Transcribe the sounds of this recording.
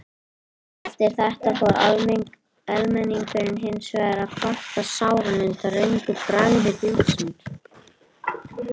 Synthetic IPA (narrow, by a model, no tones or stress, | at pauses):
ɛft̪ɪɾ̥θɛht̪afɔɾa̰lmŋk | ɛlmɛniŋkfɪɾɪnɦɪnːsvɛɣɾakʰɔht̪asaːwɾamɪnt̪arœɥŋkʏpɾaɣðɪt̪ɪlsʏnt̪